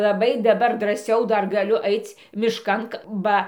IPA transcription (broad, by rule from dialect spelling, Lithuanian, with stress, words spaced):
lˠɐˈbɐɪ dɐˈbɐr drɑːˈsʲɛʊ ˈdɐr ɡɐˈlʲʊ ˈɐɪt͡sʲ mʲɪʃˈkɐn ˈbɐ